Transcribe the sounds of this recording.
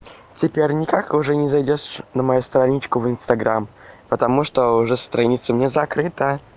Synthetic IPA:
tʲɪpʲeɾʲnʲɪkakʊʐɛnʲɪzɐjdʲoʂnəmɐjust̪ɾɐnʲit͡ɕkʊvɨnst̪ɐɡɾʔampət̪ɐmuʂt̪oʊʐɛst̪ɾɐnʲit̪səmnʲezɐkɾɨt̪ə

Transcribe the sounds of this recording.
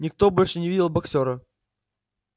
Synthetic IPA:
nʲɪk̚t̪obolʲʂɨnʲɪvidʲɪlˠbɐksʲoɾə

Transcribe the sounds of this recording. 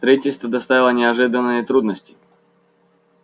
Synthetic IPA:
t̪ɾʲəitʲɪlʲst̪vəd̪ɐst̪avʲɪlˠənʲɪɐʐɨd̪ənːɨjət̪ɾud̪nəsʲtʲɪ̥

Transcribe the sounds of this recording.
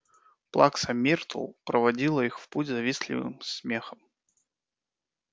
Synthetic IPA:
plˠaksɐmʲirt̪lˠpɾəvɐdʲilˠəixfputʲzɐvʲislʲɪ̰vɨ̰msmʲexəm

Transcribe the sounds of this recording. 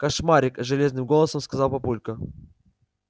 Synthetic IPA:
kɐʂmaɾʲɪkʐɨlʲe̞znɨmɡolˠəsəmskɐzɑlˠpɐpulʲkə

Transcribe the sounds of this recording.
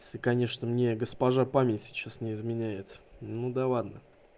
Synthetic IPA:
sɪkɐnʲe̞ʂnəmnʲe̞ɡəspɐʐapamʲɪtʲsʲɪ̥t͡ɕasnʲɪɪzmʲɪnʲæjɪt̪nud̪alˠad̪nə

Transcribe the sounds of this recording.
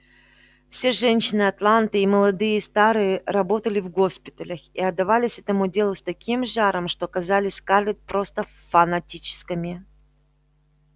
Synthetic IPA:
fsʲe̞ʐɛnʲɕːɪnɨɐt̪lˠant̪ɨiməlˠɐd̪ɨjəst̪aɾɨjəɾɐbo̞t̪əlʲɪvɡo̞spʲɪ̥t̪əlʲəxḭɐd̪ːɐvalʲɪsʲɛt̪əmudʲe̞lˠʊst̪ɐkʲimʐaɾəmʂt̪oɐkɐzalʲɪsʲkarlʲɪt̪̚pɾo̞st̪ə | fɐnɐtʲit͡ɕɪ̥skəmʲɪ

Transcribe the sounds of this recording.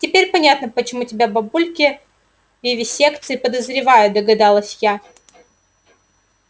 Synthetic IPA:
tʲɪpʲeɾʲpɐnʲat̪nəpət͡ɕɪmutʲɪbʲabɐbulʲkʲɪ | vʲɪvʲɪsʲe̞kt̪sɨɪpəd̪əzɾʲɪvajʊd̪əɡɐd̪alˠəsʲja

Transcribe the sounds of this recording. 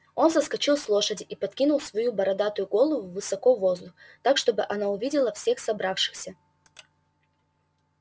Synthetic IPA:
o̞nzəskɐt͡ɕilˠslˠo̞ʂədʲɪʔipɐt̪̚kʲinʊlˠsvɐjubɐɾɐd̪at̪ʊjʊɡo̞lˠəvʊvːɨsɐkovo̞zd̪ʊx | t̪akʂt̪o̞bɨʔɐnaʊvʲidʲɪlˠəfsʲe̞xsɐbɾafʂɨ̥xsʲə

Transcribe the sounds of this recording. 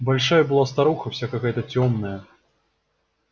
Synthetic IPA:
balʲʂajɐbɨlˠast̪aɾuxɐw̥sʲakakajət̪ɐt͡sʲɔmnɐjɐ

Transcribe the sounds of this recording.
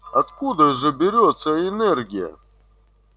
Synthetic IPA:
ɐt̪kud̪əʐɨbʲɪɾʲot̪səɪnɛrɡʲɪjə̰

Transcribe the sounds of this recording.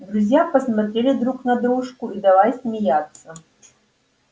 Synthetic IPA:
d̪ɾuzʲjapɐsmat̪ɾʲelʲɪd̪ɾuknɐd̪ɾuʂkuid̪alˠajsʲmʲijat̪sːɐ

